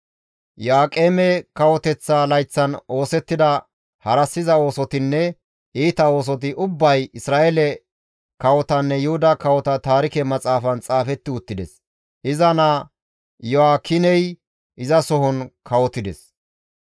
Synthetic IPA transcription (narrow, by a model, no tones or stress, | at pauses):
jaːkʼeːmɛkɐwɔt̪ɛt͡sːalɐjt͡sːɐno̞ːsɛt̪ːɪd̪ɐ | hɐɾɐsːɪzɐo̞ːsɔt̪ɪnːɛ | iːt̪ɐo̞ːs̬ɔt̪ɪʔʊbːɐjɪsɾaːʔelɛ | kɐwɔt̪ɐnːɛjʊhʊd̪ɐkɐwɔt̪ɐt̪aːɾɪkɛmɐt͡sʼaːfɐnt͡sʼaːfɛt̪ːɪʊt̪ːɪd̪ɛs | ʔɪzɐna | jɔwakʰɪnɛj | ʔɪzɐsɔɦɔnkʰɐwɔt̪ːɪd̪ɛs